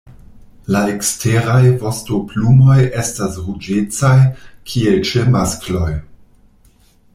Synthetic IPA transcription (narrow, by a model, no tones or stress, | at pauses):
laekstʰeɾajvo̞stoplumo̞je̞stasɾud͡ʒet͡sajkʰielt͡ʃemasklo̞j